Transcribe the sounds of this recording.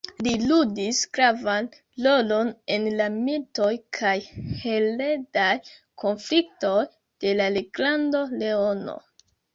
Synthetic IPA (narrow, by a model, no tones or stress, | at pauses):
liludisɡ̥ɾavan | lo̞lo̞ne̞nlamilto̞jkʰajhe̞le̞daj | kʰo̞nflik̚to̞j | d̥e̞lale̞ɡlandole̞o̞no̰